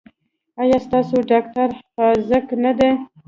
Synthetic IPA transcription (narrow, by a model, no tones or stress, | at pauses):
ɑjɑst̪ɑsoɖɑk̚taɾxɑzəknad̪e